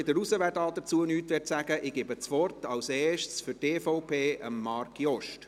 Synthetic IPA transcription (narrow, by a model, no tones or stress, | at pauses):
ɪd̪əɾusəʋædɑːd̥ət͡suənyːt̪ʋɛːɾtsæɡ̥əʔɪɡ̥ɪbət͡sʋɔrtɑwsɛːʃtsfʏteːfɔʊpʰeːə̰mːɑːrkjɔʃt